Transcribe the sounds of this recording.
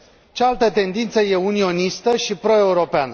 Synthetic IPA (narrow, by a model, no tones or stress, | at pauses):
t͡ʃealt̪ət̪e̞nd̪int̪səje̞unio̞nist̪əʃipɾo̞e̞uɾo̞peanə